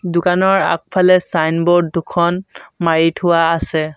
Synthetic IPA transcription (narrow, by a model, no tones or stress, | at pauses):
dʊkanɔɹa̰k̚pʰalɛsajnbɔɹddukʰɔnmaɹitʰʊwaːsɛ